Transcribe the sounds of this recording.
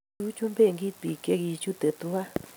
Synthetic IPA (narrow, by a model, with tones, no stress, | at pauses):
u˦t͡ʃu˦mbe˦˨ŋɡi˦t̪i˨ke˧ɣi˧t͡ʃu˦t̪e˨t̪u˦a˦